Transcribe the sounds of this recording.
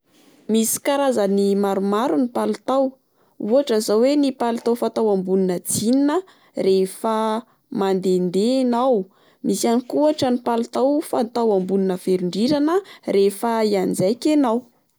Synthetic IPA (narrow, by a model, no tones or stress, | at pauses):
misi̥kaɾazanimaɾumaɾunipalut̪aw | uaʈ͡ʂəzawenipalut̪awfat̪awambuninəd͡zininə | refə | mand̪end̪enaw | misianikuaʈ͡ʂənipalut̪awfat̪awambuninəv̥eɾuɳɖ͡ʐiɾanərefəiand͡zajkʲenaw